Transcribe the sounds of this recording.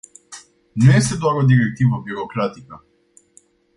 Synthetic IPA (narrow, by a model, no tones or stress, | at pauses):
nɛest̪ɛd̪abɾod̪iɾɛk̚t̪ivobiɾokɾat̪ika